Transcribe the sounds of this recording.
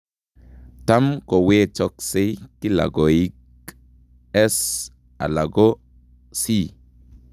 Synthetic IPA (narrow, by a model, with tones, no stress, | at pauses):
ta˦mko˨we˦t͡ʃɔ˦kse˦ki˦la̰˨ɡo˨i˦k | ɛ˦s | a̰˨la˨ɡo˦ | si˦